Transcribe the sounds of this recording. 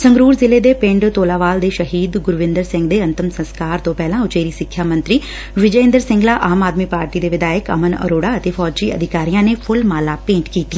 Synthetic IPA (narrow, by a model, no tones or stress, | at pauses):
sə̃ŋɡɾuːɾzɪleːd̪eːpɪ̃ɳɖt̪oːlaːʋaːld̪eːʃəɦiːd̪ɡʊɾʋɪ̃nd̪əɾsɪ̃ŋɡ̚d̪eːənt̪əmsə̃nskaːɾt̪õːpɛːlãːʊt͡ʃeːɾiːsɪkʰːjaːmə̃nt̪ɾiː | ʋɪd͡ʒəɪ̃nd̪əɾsɪ̃ŋɡlaːʔaːmaːd̪miːpaːɾʈiːd̪eːʋɪd̪aːɪkə̰mənə̰ɾoːɽaːət̪eːfʰɔːd͡ʒd͡ʒiːə̰d̪ʱɪkaːɾijãːneːpʰʊlmaːlaːpẽːɳʈkiːt̪i